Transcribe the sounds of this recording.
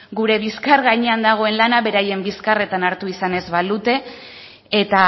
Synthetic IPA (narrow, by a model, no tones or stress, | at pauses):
ɡuɾe̞β̞iskaɾɣaɲe̞and̪aɣ̞o̞e̞nlanaβe̞ɾaje̞mbiskare̞t̪anaɾt̪uisane̞zβald̪ut̪e̞ː | t̪a